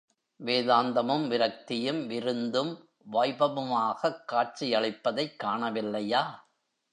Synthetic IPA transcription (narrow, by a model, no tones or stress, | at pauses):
ʋeːðaːnd̪ɐmɯmʋɪɾɐk̚t̪ɪjɯmʋɪɾɯnd̪ɯm | ʋɐɪbɐmɯmaːɣɐkːaːʈ̚t͡ʃijɐɭɪpːɐðɐɪkːaːɳɐʋɪlːɐjaː